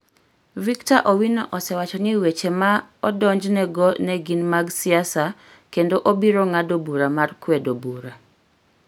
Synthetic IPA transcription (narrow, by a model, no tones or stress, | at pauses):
viktaʔɔwinɔʔɔsɛwat͡ʃɔniwet͡ʃemaɔdɔɲd͡ʒnɛɡɔnɛɡinmaɡsɪasa | kendoʔobiɾoŋadobuɾamarkwedobuɾa